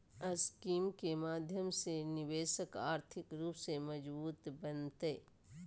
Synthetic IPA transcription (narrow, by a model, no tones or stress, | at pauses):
əskiːmkemaːd̪ʱjəmsenɪʋeːʃəkaːɾt̪ʰɪkɾuːpsemɐd͡ʒbuːt̪bɐnt̪eː